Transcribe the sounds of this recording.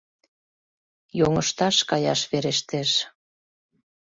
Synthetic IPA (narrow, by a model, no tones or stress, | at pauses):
joŋəʃt̪ɑʃkɑjɑʃβeɾeʃt̪eʃ